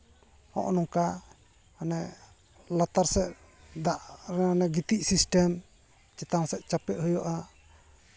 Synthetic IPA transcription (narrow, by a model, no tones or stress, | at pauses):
hɔ̰̃ʔnɔŋka | anɛ | lat̪aɾsɛʔ | d̪aʔɾɛanɛɡit̪iʔsisʈɛm | t͡ʃɛt̪aŋsɛʔt͡ʃapɛʔ̪̚həjɔʔa